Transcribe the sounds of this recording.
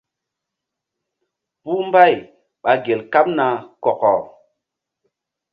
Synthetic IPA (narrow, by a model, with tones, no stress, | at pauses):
bu˦m˦ba˦˨j | ɓa˨ɡe˨lka˦p̚na˨kɔ˨kɔ˨